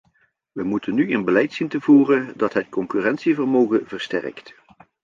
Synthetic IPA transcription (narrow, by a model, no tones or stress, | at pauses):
ʋəmutənːyənbəlɛjtsintəvuːrəndɑtɦətkɔŋkyːrɛntsivərmowɣənvərstɛ̰rkt